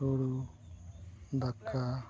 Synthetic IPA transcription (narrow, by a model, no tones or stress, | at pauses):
oɽu | d̪akʰːa